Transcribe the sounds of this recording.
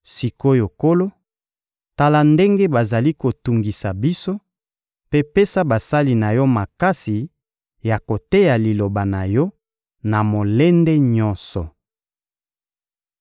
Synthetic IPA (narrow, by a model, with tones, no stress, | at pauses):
si˨ko˦jo˨ko˦lo˦ | ta˦la˨nde˦ŋɡe˦ba˨za˨li˦ko˨tu˨ŋɡi˨sa˨bi˦so˦ | pe˦pe˦sa˦ba˨sa˦li˨na˨jɔ˦ma˨ka˦si˨ | ja˨ko˨te˦ja˨li˨lo˨ba˨na˨jɔ˦ | na˨mo˨le˦nde˦ɲɔ̃˦nsɔ˨